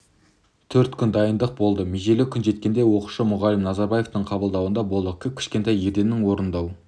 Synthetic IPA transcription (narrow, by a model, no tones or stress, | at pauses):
t̪ʰɵɾt̪kʲʰʏnd̪ɑjənd̪əq̚bo̞lˠd̪əmeʒelɪkʲʰʏnʒe̞t̪̚kʲe̞nd̪e̞wo̞qu̥ʃəmʊʁɑlɪmnɑzɑɾbɑje̞ft̪əɴqʰɑbəlˠd̪ɑwənd̪ɑbolˠd̪əkʲʰʏp̚kʲʰɪ̥ʃkʲe̞nt̪ɑjeɾd̪e̞nːɪŋwo̞ɾənd̪ɑw